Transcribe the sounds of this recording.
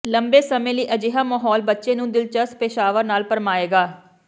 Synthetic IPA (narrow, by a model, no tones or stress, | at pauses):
ləmbeːsəmẽːliːʔəd͡ʒɪːɦaːmaːɦɔːlbətːʃẽːnũːd̪ɪlt͡ʃəspeːʃaːʋəɾnaːlpəɾmaːeːɡaː